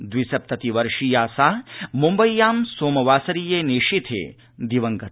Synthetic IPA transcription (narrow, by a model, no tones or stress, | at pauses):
d̪ʋisɐp̚t̪ɐt̪iʋɐɾʂiːjaːsaːmumbɐjjːaːmsoːmɐʋaːsɐɾiːjeːniʂit̪ʰḛː | d̪iʋɐŋɡɐt̪